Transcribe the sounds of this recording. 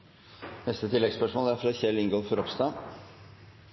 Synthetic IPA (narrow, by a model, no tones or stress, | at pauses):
nɛst̪ət̪ʰɪlːɛɡspœʂmoːlæɾfɾɑçɛlɪŋɡofɔɾɔpst̪ɑː